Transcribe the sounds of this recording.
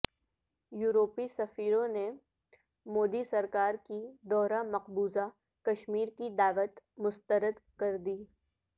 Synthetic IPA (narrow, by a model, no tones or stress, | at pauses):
juːɾoːpisɐfiːɾõne | moːd̪isɐɾkaːɾkid̪ɔːɾamɐqbuːza | kɐʃmiːɾkid̪aːʋət̪mʊst̪əɾəd̪kɐɾd̪iː